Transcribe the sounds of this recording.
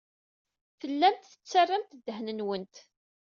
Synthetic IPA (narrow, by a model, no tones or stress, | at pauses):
fəlːænt̪θə̥t͡sːarːamt̪d̪ːəɦnənwənt̪